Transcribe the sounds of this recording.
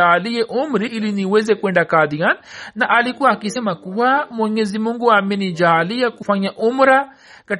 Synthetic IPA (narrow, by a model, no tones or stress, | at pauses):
aliɛʔumɾiʔiliniwɛzɛkuwɛndakaðiannaʔalikuaːkisɛmakuwamwɛɲɛzimuŋɡuamɛnid͡ʒaːliakufaɲaʔumɾa | ka